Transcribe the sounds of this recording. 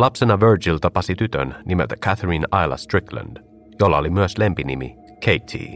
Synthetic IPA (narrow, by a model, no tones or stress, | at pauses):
lɑpsenɑʋøɹd͡ʒilt̪ɑpɑsit̪yt̪ønnimɛt̪əkʰæθɹinɑjlɑ̰st̪ɹiklə̰nd̪̥ | jolːɑolimyəslempinimḭ | kʰejt̪ʰḭː